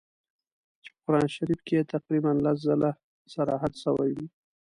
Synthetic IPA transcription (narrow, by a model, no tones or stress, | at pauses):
t͡ʃe̥pəkʊɾɑnʃaɾifkeet̪aqɾibanlas̬zala | saɾɑɦat̪səwa̰jwi